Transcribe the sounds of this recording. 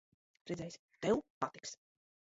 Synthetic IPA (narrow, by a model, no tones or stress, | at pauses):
ɾɛd̪zɛjsʲ | t̪ɛwpat̪i̥ks